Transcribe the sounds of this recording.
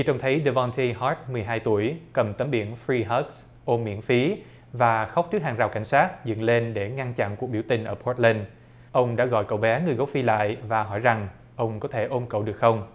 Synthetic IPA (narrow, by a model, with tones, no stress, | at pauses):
t͡ɕi˧t͡ɕwŋ͡mt̪ʰə˨˦jɗə˧vɔ˧nt̪ʰi˧ɦɔ˦˥t̚mɨ˨˩əjɦaː˧jt̪u˧˩əjkə˨˩mt̪ə˨˦mɓḭ˧˩ənfɾi˧ɦə˦˥ks | ʔo˧mḭ˧˥ənfi˨˦ | vaː˨˩xa˦˥wk͡p̚t͡ɕɨ˦˥k̚haː˨˩ŋzaː˨˩wka˧˩jŋ̟saː˦˥t̚zə̰˧˨ŋle˧nɗe˧˩ŋa˧nt͡ɕa̰˧˨nku˨˩ək̚ɓi˧˩əwt̪ï˨˩ŋ̟ʔəː˧˩pʰo˦˥t̚lə˧n | ʔə˧wŋ͡mɗa̰ː˧˥ɣɔ̰˧˨jkə̰˧˨wɓɛ˨˦ŋɨ˨˩əjɣo˨˦˥w̚fi˧la̰ː˧˨jvaː˨˩ɦɔ˧˩jza˨˩ŋ | ʔə˧wŋ͡mkɔ˨˦t̪ʰe˧˩ʔo˧mkə̰˧˨wɗɨ˨˩ək̚xə˧wŋ͡m